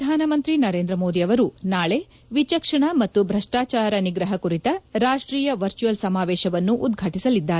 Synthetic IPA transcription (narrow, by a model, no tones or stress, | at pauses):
aːnɐmɐnt̪ɾinɐɾe̞ːnd̪ɾɐmo̞ːd̪iɐʋɐɾunaːɭe̞ | ʋit͡ʃɐkʂɐɳɐmɐt̪ːubʱɾɐʂʈaːt͡ʃaːɾɐniɡɾɐɦɐkuɾit̪ɐɾaːʂʈɾiːjɐʋɐɾt͡ʃujɐlsɐmaːʋeːʃɐʋɐnːuʔːd̪ɡʱɐʈisɐlid̪ːaːɾee